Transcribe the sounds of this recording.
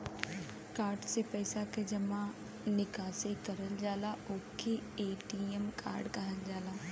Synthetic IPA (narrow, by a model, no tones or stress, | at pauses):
kaːɾɖsepɛːsaked͡ʒɐmã | nɪkaːsekɐɾəld͡ʒaːlaoːkʰeeːʈiːemkʰa̰ːɾɖkɐɦəld͡ʒaːlaː